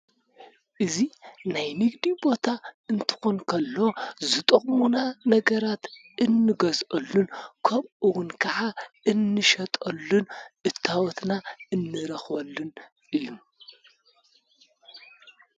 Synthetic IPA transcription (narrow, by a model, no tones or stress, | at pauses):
ʔɨzinajmɨɡd̪ibo̞t̪ʰaɨnt̪ʰɨ̥xonkʰɐlːo̞zɨt̪ʼɐχʼmunanɐɡɐɾat̪ | ɨnːɨɡɐzʔɐlːunkʰɐmʔɨwʊnkʰɐʕaʔɨnːɨʃɐt̪ʼɐlːunʔɨt̪ʰːawɔt̪naɨnːɨɾɐxbɐlːun | ʔɨjːu